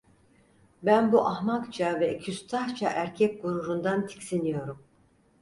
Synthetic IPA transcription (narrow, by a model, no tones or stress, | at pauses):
bænbuʔahmakt͡ʃʰavɛcʰyst̪ʰaht͡ʃʰa̰ʔæɾcʰɛc̚ɡuɾuɾund̪ant̪ʰi̥csinijo̞ɾum